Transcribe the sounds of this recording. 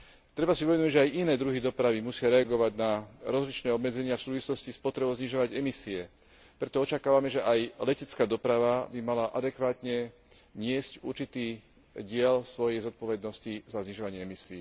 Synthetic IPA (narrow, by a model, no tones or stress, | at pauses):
t̪ɾɛbasiɔʋɛd̪uɟʒɛajʔinɛːd̪ɾuɦid̪ɔpɾaʋimusɪaɾɛaɡɔʋaɟnaɾɔzlit͡ʃnɛːɔbmɛd͡zɛɲɪafsuːʋislɔscispɔt̪ɾɛbɔʊzɲiʒɔʋaɟɛmisiɛ | pɾɛt̪ɔɔt͡ʃakaːʋamɛʒɛʔajlɛcɛt͡skaːd̪ɔpɾaʋabimalaʔad̪ɛkʋaːt̪ɲɛ | ɲɪɛscuɾt͡ʃit̪iː | ɟɪɛlsʋɔjɛjzɔt̪̚pɔʋɛd̪nɔscizazɲiʒɔʋaɲɪɛɛmisiː